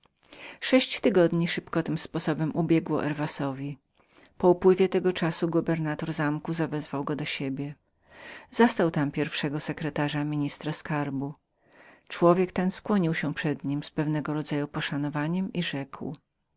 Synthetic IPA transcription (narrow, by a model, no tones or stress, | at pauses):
ʂɛɕt͡ɕt̪ɘɡɔd̪ɲiʂɘpkɔt̪ɘmspɔsɔbɛmʔubʲjɛɡwɔ̰ʔɛɾvasɔvʲi | pɔupwɘvʲjɛt̪ɛɡɔt͡ʂasuɡubɛɾnat̪ɔɾzamkuzavɛzvawɡɔd̪ɔɕebʲjɛ | zɔst̪awt̪ampʲjɛɾfʂɛɡɔsɛkɾɛt̪aʐamʲiɲist̪ɾaskaɾbu | t͡ʂwɔvʲjɛkt̪ɛnskwɔɲiwɕɛpʂɛd̪ɲimspɛvnɛɡɔɾɔd̪zajupɔʂanɔvaɲɛmiʐɛkw